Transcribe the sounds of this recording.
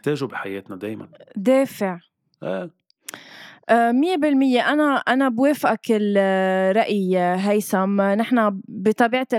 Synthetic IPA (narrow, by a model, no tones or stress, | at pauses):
t̪eːʒubiħajeːt̪nad̪eːjma̰nd̪eːfɪʕ | ʔeː | ʔmɪjːebɪlmɪjːeʔanaʔanabweːfʔakɪlɾˤɑʔjiɦajsamnɪħnabit̪ˤɑbiːʕat̪